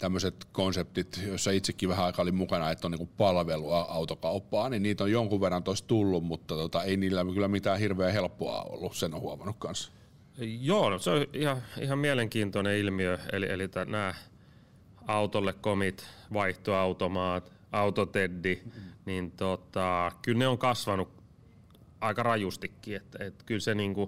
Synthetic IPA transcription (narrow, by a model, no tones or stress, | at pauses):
t̪æmːøset̪konsep̚t̪it̪josːɑit̪sekːiʋæhæɑikɑolimmukɑnɑet̪ːoniŋkupɑlʋelˑuɑɑut̪okɑupːɑːninniːt̪ojoŋkuʋʋerːɑnt̪ost̪ulːummut̪ːɑt̪ot̪ɑeiniːlːækylːæmit̪æːhirʋeːhelpːoɑ̰o̰lːusenːohuɑmɑnukkɑns | joːnseoihɑḭhɑmmiæleŋkiːnt̪oneilmiøḛliḛlit̪ːænæː | ɑut̪olːekkomit̪ʋɑiht̪oɑut̪omɑːt̪ | ɑut̪ot̪edːinint̪ot̪ɑkylneoŋkɑsʋɑnuk | ɑikɑrɑjust̪ikːiet̪ːet̪kylseniːŋku